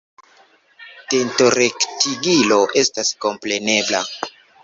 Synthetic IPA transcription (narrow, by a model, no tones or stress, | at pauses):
te̞nto̞ɾektiɡilo̞ʔe̞stasko̞mple̞ne̞bla̰